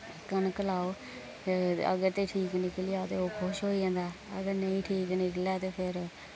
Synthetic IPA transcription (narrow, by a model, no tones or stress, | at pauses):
kənkəlaːoː | ə̰ɡəɾt̪eːʈʰiːknɪklɪjaːot̪eːoːkʰʊʃɦoːiːd͡ʒãːnd̪aːə̰ɡəɾnəĩːʈʰiːknɪklɛːt̪eːpʰɪɾ